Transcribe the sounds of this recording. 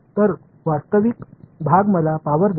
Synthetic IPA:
t̪əɾ | ʋast̪əʋikbʱaɡməlapaʋəɾd̪

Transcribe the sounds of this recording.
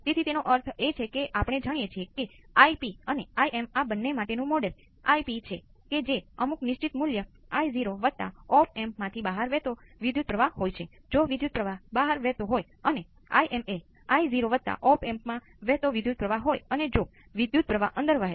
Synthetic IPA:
t̪et̪ʰit̪enoʔəɾt̪ʰet͡ʃʰekeʔapɽ̃ed͡ʒaɽ̃ijet͡ʃʰieke | aipiəneaiemabənːemaʈenũmɔɖəl | a̰ipit͡ʃʰe | ked͡ʒeəmuknɪʃt͡ʃit̪muljəaiziɾoʋət̪ːa̰ɔpɛmpmãt̪ʰibaɦəɾʋɛt̪oʋɪd̪ʱjud̪̚pɾəʋaɦojt͡ʃʰe | d͡ʒoʋɪd̪jud̪̚pɾəʋabaɦəɾʋɛɦt̪oɦoj | əne | a̰iʔɛme | aiziɾoʋət̪ːa̰ʔɔpɛmpmã | ʋɛt̪oʋɪd̪ʱjud̪̚pɾəʋaɦojəned͡ʒo | ʋɪd̪jud̪̚pɾəʋaʔənd̪əɾʋəɦe

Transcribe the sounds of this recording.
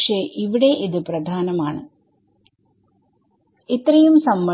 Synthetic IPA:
ʂeʔiʋiɽe̞ʔiðɨprɐd̪ʱaːnɐmaːɳɨ̰ | it̪ːrɐjumsɐmːɐ

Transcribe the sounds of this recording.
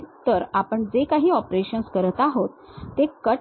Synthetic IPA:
t̪əɾapəɳd͡zekaɦiːɔpɾeɕənskəɾət̪aɦot̪ːekə

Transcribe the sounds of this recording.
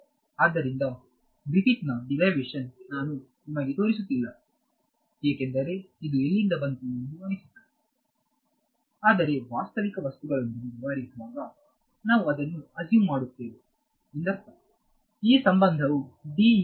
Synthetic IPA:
aːd̪ːɐɾind̪ɐ | ɡɾifiʈnɐɖilɐjʋeːʂɐnːaːnu | imɐɡet̪o̞ːɾisut̪ːilːa | eːkend̪ɐɾe̞id̪uelːind̪ɐbɐnt̪ind̪uɐnisid̪a | aːd̪ɐɾe̞ʋaːst̪ɐʋikɐʋɐst̪uɡɐɭond̪iniʋɐɾid̪ʋaːɡɐ | naːʋuɐd̪ɐnːuɐd͡ʒjuːmmaːɽut̪ːeːʋe | ind̪ɐɾt̪a | iːsɐmbɐnd̪ʱɐʋuɖiː

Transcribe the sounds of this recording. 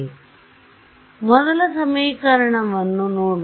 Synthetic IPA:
mɔd̪ɐlɐsɐmiːkɐɾɐɳɐʋɐnːunoːɽ

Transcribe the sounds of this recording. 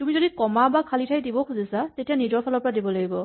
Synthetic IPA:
tumizɔdikɔmabakʰalitʰajdibɔkʰuzisatetijanidɔpʰalɔpɹadibɔlaɡibɔ

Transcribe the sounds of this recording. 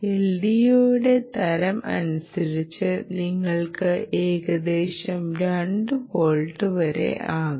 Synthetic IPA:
eldijuːɽe̞t̪ɐɾɐmɐ̰nusɐɾit͡ɕːɨniŋːɐɭkɨeːɣɐd̪eːɕɐmɾɐɳɖɨkoːɭʈːɨʋɐɾe̞̰ʔaːɣɨ

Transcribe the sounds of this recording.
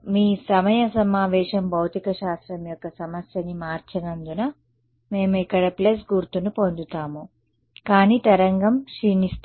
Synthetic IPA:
miːsɐmɐjɐsɐmaːʋɛːʂɐmbʱɐwt̪ikɐʃaːst̪ɾɐmjɔkːɐsɐmɐsjɐnimaːɾt͡ʃɐnɐnd̪unɐ | me̞ːmuikːɐɽɐples̬ɡuɾt̪unupond̪ut̪aːmu | kaːniːt̪ɐɾɐŋɡɐmʃinist̪

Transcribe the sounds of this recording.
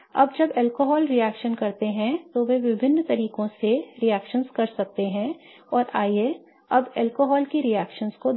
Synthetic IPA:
ɐ̰bd͡ʒɐbɛːlkoːɦɔːlɾijɛːkʃənkɐɾt̪eɦɛ̃t̪oʋeʋɪbʱɪnːt̪ɐɾiːkõseɾijɛːkʃənzkɐɾsɐk̚t̪eɦɛ̃ | ɔːɾaːie | ɐbɛːlkoɦɔːlkiɾijɛːkʃənsko

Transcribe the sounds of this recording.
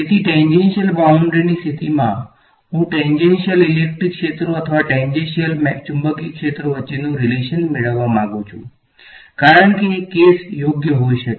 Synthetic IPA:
et̪ʰiʈẽɲd͡ʒenʃəlbauɳɖɾiniːst̪ʰit̪imã̰ | ɦũʈẽɲd͡ʒenʃəlilek̚ʈɾikːʃet̪ɾoət̪ʰəʋaʈẽɲd͡ʒẽnʃijəlmɛt͡ʃumbəkikʃet̪ɾoʋətːɕinũɾileʃənmeɭəʋːamãɡũt͡ʃʰṵ̃ | kaɾəɳkekːesjoɡjəɦoiʃək

